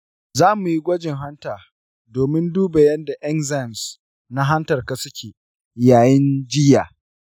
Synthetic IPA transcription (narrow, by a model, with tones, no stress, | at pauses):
zaː˦mu˨ji˦ɡʷɐ˦d͡ʒɪ˨ŋɦa˦ntaː˨ | doː˨mɪ˦nduː˦ba˨jɐ˦nda˨ʔɐ˦ŋza˦˨ms | na˦ɦa˦ntɐ˨rka˨sʊ˦kʲeː˨ | jaː˨jɛ˦nd͡ʒɪ˦jaː˨